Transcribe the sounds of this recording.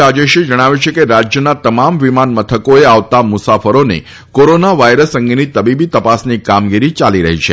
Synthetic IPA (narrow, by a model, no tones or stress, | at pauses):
ad͡ʒeʃed͡ʒəɽ̃aʋjut͡ʃʰekeɾad͡ʒjənat̪əmamʋimanmət̪ʰəkoeaʋt̪amʊsafəɾonḛ | koɾonaʋajɾəsəŋɡinit̪əbibit̪əpasnikamɡiɾit͡ʃaliɾə̰ɦit͡ʃʰe